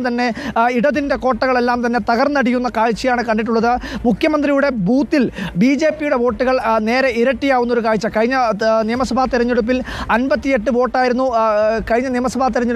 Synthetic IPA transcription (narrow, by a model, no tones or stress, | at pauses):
t̪ɐnːe̞iɽɐðinde̞ko̞ːʈːɐɣɐɭe̞lːaːmt̪ɐnːe̞t̪ɐɣɐrnɐɽikːunːɐkaːɻt͡ɕːɐjaːɳɨkɐɳɖiʈ̬ːuɭːɐðɨmukʰjɐmɐnd̪rijuɽe̞buːt̪ːilbiːd͡ʑe̞ːpːijuɽe̞ʋo̞ːʈːuɣɐɭne̞ːɾɐiɾɐʈːijaːɣunːo̞ɾukaːɻt͡ɕːɐkɐɻiɲːɐnijɐmɐsɐbʱaːt̪iɾɐɲːuɽup̬ːilɐnbɐt̪ːije̞ʈːɨʋo̞ːʈːaːjiɾunːukɐɻiɲːɐnijɐmɐsɐbʱaːt̪̬ːiɾɐɲːuɽ